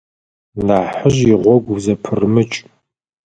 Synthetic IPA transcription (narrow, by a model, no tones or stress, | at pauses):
naːħəʒiʁʷɔɡʷzɐpʰɨrmɨt͡ʃʼ